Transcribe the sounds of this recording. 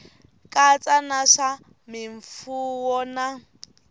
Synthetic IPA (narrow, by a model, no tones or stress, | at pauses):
kʼat͡sʼanaʂa | mɪɱfuwɔna